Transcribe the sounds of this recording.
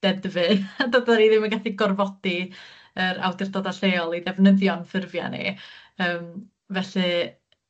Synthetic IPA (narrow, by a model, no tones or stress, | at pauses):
d̥ɛdvɨðdɔdaɾiðɪməɡaθiɡɔrvɔd̥i | əɾa̰wdɪrdɔdaɬejɔlˠiðɛvnəðjɔnfɪrvja̰nḭ | əːm | vɛɬɨ